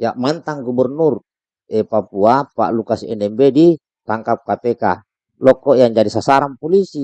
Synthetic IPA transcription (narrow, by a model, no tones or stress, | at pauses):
jaʔmant̪aŋɡubɛrnur | ɛpapuapa̰ʔlukasɛnɛmbedi | t̪aŋkap̚kat̪ɛka | lɔkːoiaɲd͡ʒadisasaɾaŋpolisi